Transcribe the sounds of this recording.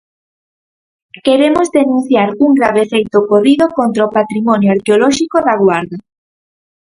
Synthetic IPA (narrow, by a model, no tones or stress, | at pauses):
keɾemozðenũn̟θjaɾuŋɡɾaβefejt̪okoriðokont̪ɾaopat̪ɾimɔnjoaɾkeolɔʃikoðaɣwaɾða